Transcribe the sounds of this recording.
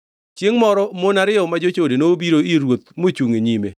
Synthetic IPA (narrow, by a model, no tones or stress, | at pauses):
t͡ʃeŋmɔɾɔmonaɾɪɔmad͡ʒot͡ʃodenobiɾoiɾwot̪̚mot͡ʃuŋeɲime